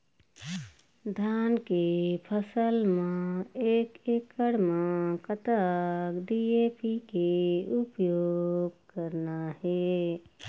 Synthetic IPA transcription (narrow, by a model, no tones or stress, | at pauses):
d̪ʱankepʰəsəlmãekekːəɽmãkət̪əkɖiepikeupjoɡ̚kəɾnahɛ